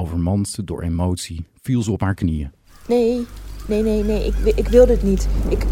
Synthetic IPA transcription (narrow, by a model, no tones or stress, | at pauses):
owvəɹmɑnsədʊ̰ːɹʔemowtsiv̥ilˠzəɔpɦaːɹknijə | nejnejnejnejɪkʔɪkʋɪlˠdəətnitʔɪk